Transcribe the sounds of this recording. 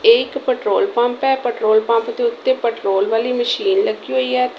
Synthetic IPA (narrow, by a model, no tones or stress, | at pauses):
eɪkpəʈɾoːlpə̃mpɛːpəʈɾoːlpə̃mpd̪eːʊt̪ːeːpəʈɾoːlʋaːliːməʃiːnləɡiːɦoːiːɛːt̪